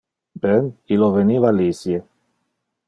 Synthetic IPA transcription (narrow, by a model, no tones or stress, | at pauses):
bɛniloveniːvalisje